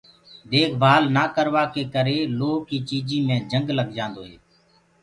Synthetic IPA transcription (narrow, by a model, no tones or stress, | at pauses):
d̪eːkʰbʱaːlnaːkəɾʋaːkeːkəɾeːloːkiːt͡ʃiːd͡ʒĩːmẽːd͡ʒəŋɡləɡd͡ʒãːnd̪oːɦeː